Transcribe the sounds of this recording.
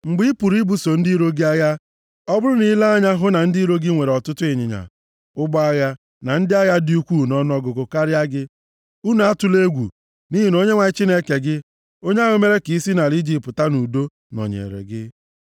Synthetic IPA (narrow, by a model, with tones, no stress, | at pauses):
ŋ͡m̩˨ɡ͡bi˦i˦pu˨ɾi˦bu˨so˨n̩˦di˦ɾo˦ɡɪ˦a˦ɣa˦ | ɔ˦bʊ˦ɾʊ˦ni˦la˦a˦ɲa˦ɦʊ˦na˨n̩˦di˦ɾo˦ɡɪ˦ŋʷe˨ɾɔ˨tʊ˦tʊ˦ɪ˨ɲɪ̰˨ɲa̰˨ | ʊ˦ɡ͡bɔ˦a˦ɣa˦ | na˨n̩˦dɪ˦a˦ɣa˦di˦u˦kʷu˦˨nɔ˦n˦ɔ˦ɡʊ˨kʊ˨ka˦ɾɪ˦a˦ɡɪ˦ | u˦na˨a˦tʊ˦le˦ɡʷṵ˨ | ni˦ɦi˨no˦ɲe˦ŋʷa˨˦t͡ʃi˦ne˦ke˨ɡɪ˦ | o˦ɲe˦a˦ɣo˦me˦ɾe˦ki˨i˦si˦na˨li˦d͡ʒi˨pʊ˨ta˦nu˨do˦ | nɔ̰˨ɲḛ˨ɾḛ˨ɡɪ˦